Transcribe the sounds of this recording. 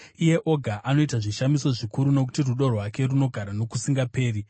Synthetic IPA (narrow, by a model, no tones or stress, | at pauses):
ije̞ʔoɡʱaʔano̞itaʐiʃamiso̞ʐikuɾuno̞k̬u̥tiruɗo̞rwake̞runo̞ɡʱaɾano̞kusiŋɡape̞ːɾi